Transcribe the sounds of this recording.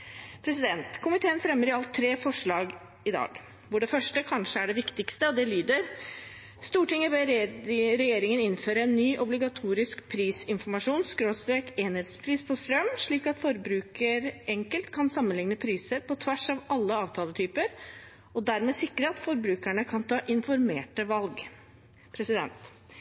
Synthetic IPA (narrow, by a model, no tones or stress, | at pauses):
pʰɾɛsɪd̪ɛnt̪kʰʊmɪt̪ʰeːənfɾɛmːəɾɪɑlt̪ʰːɾeːfɔʂɭɑːɡ | ɪd̪ɑ̰ːɡ | ʋʊɖɛfœʂʈəkʰɑnʂəæɖɛʋɪkt̪ɪkst̪əɔd̪ɛlyːd̪əɾ | st̪uːʈɪŋːəbeː | ɾɛjeːɾɪŋənɪnføːɾəɛnːyːʔɔblɪɡɑt̪ʰuːɾɪskpʰɾiːsɪnfɔɾmɑʂuːnskɾoːst̪ɾeːkeːnheːd̪spʰɾiːspʰɔst̪ɾœmːʂɭiːkɑt̪fɔɾbɾʉːkəɾɛŋkəlt̪kʰɑnsɑmːənlɪŋnəpʰɾiːsəɾpɔt̪ʰʋæʂɑʋɑlːəɑːʋt̪ʰɑːlət̪ʰyːpəɾ | ɔd̪æɾmeːsɪkːɾəɑt̪fɔɾbɾʉːkæɳəkʰɑnt̪ʰɑːʔɪnfɔɾmeːʈəʋɑlɡ | pʰɾɛsɪd̪ɛ̰nt̪